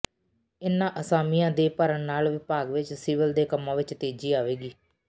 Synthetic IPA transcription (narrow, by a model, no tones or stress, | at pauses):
ɪnːãːʔəsaːmɪjãːd̪eːpəɾəɳnaːlʋɪpaːɡʋɪt͡ʃsiːʋəld̪eːkəmːãːʋɪt͡ʃt̪eːd͡ʒiːaːʋeːɡiː